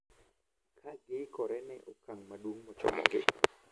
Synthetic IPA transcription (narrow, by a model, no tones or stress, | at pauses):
kʰaɡɪkɔɾɛnɛʔokaŋmaɗwoŋmɔt͡ʃɔ̰mɔ̰ŋɡɪ̰